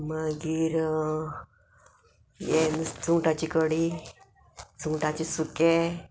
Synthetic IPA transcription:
maɡiɾ | jent͡suŋʈat͡ɕikəɽi | t͡suŋʈat͡ɕisuke

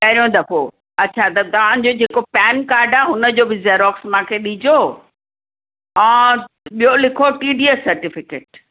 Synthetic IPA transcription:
kɐɦɾijõd̪ɐpo | ɐːt͡ɕʰat̪ɐt̪ɐʋ̤ãɪ̃̆d͡ʑod͡ʑeːkopɛːnkaːɾɖaːɦʊnə̆d͡ʑoːbɪzeːɾɔːksmãːkʰeɗid͡ʑo | ɛ̃ː | ɓijolɪkʰoʈiːɖiːesɐɾʈɪfɪkḛːʈ

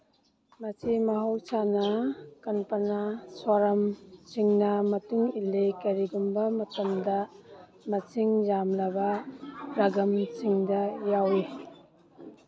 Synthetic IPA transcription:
mɐsʰimɐɦawsanɐkɐnpɐnasaɾɐmt͡ʃiŋnɐmɐtuŋilːekɐɾiɡumbɐmɐtɐmdɐ | mɐt͡ʃʰiŋzamlɐbɐɾɐɡɐmt͡ʃiŋdɐjawi

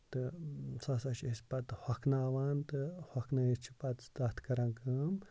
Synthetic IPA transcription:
t̪ɨsɐsɐʃisʲpɐt̪hɐkʰnaːʋaːnt̪ɨhɐkʰnɐit͡ʃʰi̥pɐt̪sd̪ɐt̪ʰkɐɾɐ̃ŋkɨm

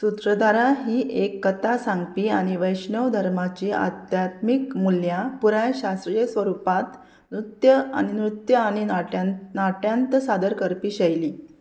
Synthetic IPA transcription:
sut̪ɾəd̪aɾaɦiːʔekːət̪ʰasãŋɡpiːaɽ̃iʋəjɕɳəʋd̪ʱəɾmat͡ɕiːa̰t̪jat̪mikmuljapuɾajɕast̪ɾijəsʋəɾupat̪ | nɾut̪jəa̰ninɾut̪jəaɽ̃inaʈjãnt̪sad̪əɾkəɾpiːɕəjliː

